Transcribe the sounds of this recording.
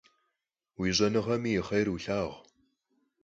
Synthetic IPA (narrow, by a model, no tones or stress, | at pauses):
wiːʑɐnɨʁɐmiːjɪχɐjruɬaːʁʷ